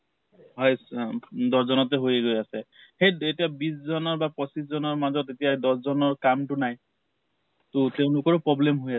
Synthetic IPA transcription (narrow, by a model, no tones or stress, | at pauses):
ɦɔjsdɔszɔnɔtɛɦojeɡojasɛxejetiabiszɔnɔɹbapɔsiszɔnɔɹmazɔtetijadɔszɔnɔɹkamtʊnaj | totɛʊ̃lʊkɔɹpɹɔblemɦojasɛ